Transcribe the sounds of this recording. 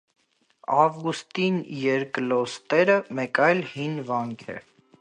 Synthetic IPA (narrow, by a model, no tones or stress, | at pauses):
ɑvɡust̪injɛɾklɔst̪ɛɾəmɛkɑjlhinvɑŋkʰɛ̰